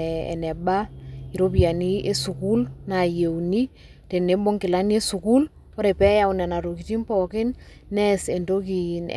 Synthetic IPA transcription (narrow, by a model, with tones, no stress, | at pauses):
ɛ̰˨nɛ˨ɓa˦i˨ɾo˦pja˨ni˦e˦su˨ku˦lna˨je˨wni˦ | te˨ne˨˦bo˦ŋkɪ˨la˦ni˦e˦su˨ku˦l | ɔ˦ɾe˨pɛ˦ja˦wnɛ˨na˨ɾo˨k̬i˨ti˦mpɔ˨kɪ˦n | nɛ˦se˨ndo˦ki˨n